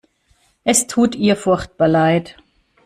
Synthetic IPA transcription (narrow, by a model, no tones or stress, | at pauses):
ʔɛstʰuːtiːɐfʊɐçt̚b̥aːɐlaɪt